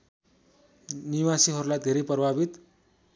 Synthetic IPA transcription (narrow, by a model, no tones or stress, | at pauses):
niwasiɦʌɾulajd̪ʱeɾejprʌbʱabit̪